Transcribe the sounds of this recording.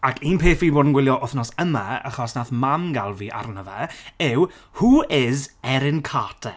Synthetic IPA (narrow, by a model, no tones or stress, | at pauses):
akʰiːnpʰeːfiboːdən̩ɡwɪlˠjɔʔʊθnɔsəmaa̰χɔsnaθmamɡalˠviːʔa̰rnəvɛɪw | huːɪzɛɾɪnkʰaːtʰɛ